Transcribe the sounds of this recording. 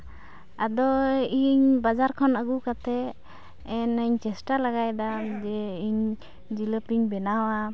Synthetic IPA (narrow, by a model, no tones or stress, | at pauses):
ad̪ɔiɲbad͡ʒaɾkʰɔnəɡukat̪ɛ | ɛnəɲt͡ʃɛsʈalaɡajd̪ad͡ʒɛiɲ | d͡ʒiləpiɲbɛnawa